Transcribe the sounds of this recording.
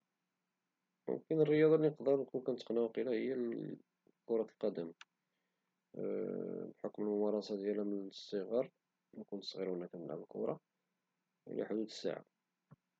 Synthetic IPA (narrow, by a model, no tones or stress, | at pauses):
mʊ̰mkənərːəjɑd̪ˤɑlnəqd̪ɑɾˤnkunkænət̪ːəqnæwqilæhəjːæ | kʊɾˤɑt̪lqɑd̪æm | bħokməlmʊmɑɾˤɑsɑd̪jælæmənsˤːəɣɑɾˤ | mkʊnt̪sˤɣiɾwənːækænməlʕa̰bəlkʊ̰ɾˤɑ | ʔḭlæ̰ħd̪ud̪ə̥sːa̰ʕa̰